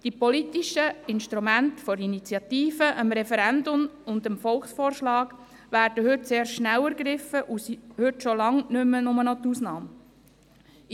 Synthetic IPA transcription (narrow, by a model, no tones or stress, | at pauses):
d̥ipɔlitiʃəɪnʃtɾumæntfɔɾinit͡sjɑt̪iːfəʔəmɾɛfɛɾændʊmʊnd̪əmfɔlˠχsfɔːrʃlɑːɡ̥ | ʋæːɾd̥əɦʏtseːɾʃʃnæwæɾɡɾɪfəʔusihʏtʃolɑŋnʏmːənʊmənɔt̪usnɑːm